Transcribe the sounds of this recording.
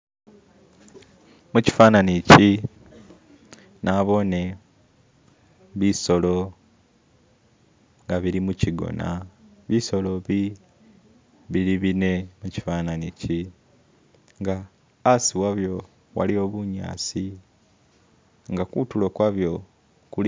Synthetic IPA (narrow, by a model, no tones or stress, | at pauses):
muci̥fananici | naβo̞ne̞ | βiso̞lo̞ | ŋɡaβiɾimuciɡo̰na̰ | βiso̞loβi | βiɾiβine̞muci̥fananici | ŋɡaː | siwaβjo̞ | wa̰lio̞ːβuɲa̰ːsi | ŋɡakutulokwaβjo̞ | kul